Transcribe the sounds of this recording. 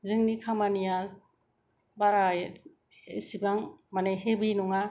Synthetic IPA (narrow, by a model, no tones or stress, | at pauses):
zɯŋnikʰamanija | baɾaj | esibaŋmanejɦebinuŋa